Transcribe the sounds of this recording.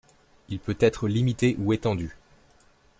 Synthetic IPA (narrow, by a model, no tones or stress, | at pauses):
ilpøt̪ɛt̪χəlimit̪eʔuet̪ɑ̃d̪y